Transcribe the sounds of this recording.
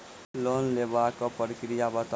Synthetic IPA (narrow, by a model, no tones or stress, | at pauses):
lonlebakopəɾikɾijabət̪